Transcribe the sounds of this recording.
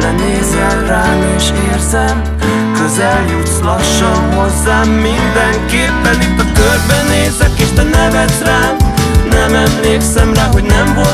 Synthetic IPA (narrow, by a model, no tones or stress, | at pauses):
lɛneːzɛkraːmeːʃeːrzɛm | kø̞zɛljut̪slɒʃːɒnɦo̞zːaːmːind̪ɛŋkeːpːɛnit̪ːɒkørbɛneːzɛkeːʃt̪ɛnɛvɛt̪raːnɛmɛmleːksɛmraːɦo̞ɟnɛmvo